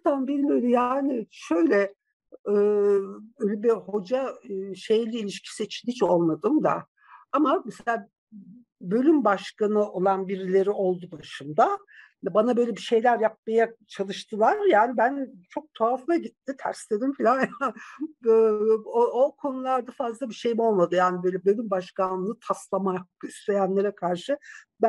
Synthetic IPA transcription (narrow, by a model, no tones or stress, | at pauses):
t̪anbiɾiløjd̪ʲjaːnɪʃø̞jlʲɛ | ɛːøjlʲɛbiho̞d͡ʒaʃe̞jlʲiːlʲiʃcʰi̥siːt͡ʃʰinhit͡ʃo̞lˠmad̪ɯmd̪a̰ | amamɛselʲaː | bø̞lʲymbaʃkanɯo̞lˠanbiɾilʲe̞ɾiʔo̞lˠd̪ud̪aʃumd̪a | banabøjlʲebiʃe̞jlʲæɾjap̚majat͡ʃʰalˠɯʃt̪ʰɯlˠaɾjaːnibænt͡ʃʰo̞k̚t̪ʰoaflˠaɟit̪ʰːit̪ʰæ̰ɾslʲe̞d̪imfilʲanja | ookʰo̞nulˠaɾd̪afazlˠabiʃejmo̞lˠmad̪ɯjaːnibø̞jlʲɛbø̞lʲymbaʃkanːɯt̪ʰaslˠamast̪ejænlʲe̞ɾɛkʰaɾʃɯb